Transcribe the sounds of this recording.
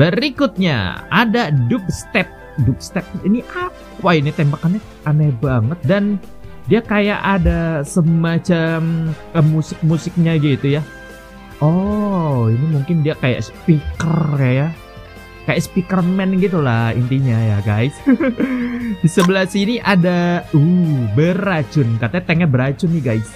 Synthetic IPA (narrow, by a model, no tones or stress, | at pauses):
bəɾikʊt̪̚ɲa̰a̰dadʊp̚st̪ɛp̚ | dʊp̚st̪ɛp̚iniʔapainit̪embakane | anɛbaŋət̪̚dan | diakaja̰ʔadasəmat͡ʃam | əmusɪk̚musɪk̚ɲaɡit̪uja | ɔ | inimuŋkɪndiakaja̰ʔspikəraja | kajaʔsə̥pikərmɛnɡit̪ulaḭnt̪iɲajaɡa̰js | disəbəlasiniʔadaubəɾat͡ʃʊnkat̪at̪eŋɛbəɾat͡ʃʊniɡajs